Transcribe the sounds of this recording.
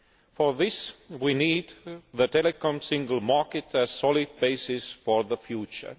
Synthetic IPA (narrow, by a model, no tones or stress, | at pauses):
fəɹðɪswiniːd̪ðətɛlɨkɔ̃msɪ̃ŋɡəl̩ˠmɑɹkɨtæz̥sɔlɪd̚beɪsɪsfɔɹðəfjut͡ʃə̰˞